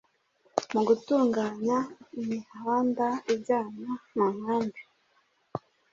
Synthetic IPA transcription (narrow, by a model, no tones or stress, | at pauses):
muɡutuːŋɡaːɲaimihaaːndaibɟaːnanamaːmbi